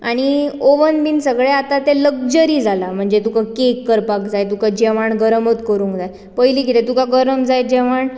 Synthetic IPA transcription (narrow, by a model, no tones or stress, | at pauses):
aɽ̃ioʋənbinsəɡɭeat̪at̪eləɡd͡ʑəɾiːd͡zalam̤əɳd͡zet̪ukakekːəɾpakd͡zajt̪ukad͡ʑɛʋ̤aɳɡəɾəmət̪kəɾũːŋkd͡zaj | pəjliːɡʱit̪et̪ukaɡəɾəmd͡zaj̚d͡ʑɛʋ̤aɳ